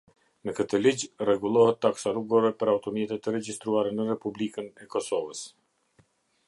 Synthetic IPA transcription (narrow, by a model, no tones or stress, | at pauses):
nəkət̪əlid͡ʑrɛɡulˠɔhɛt̪ːaksaɾuɡɔɾɛpəɾawt̪ɔmɛt̪ɛt̪əɾɛd͡ʑist̪ɾuaɾɛnərɛpublikənɛkɔsɔvəs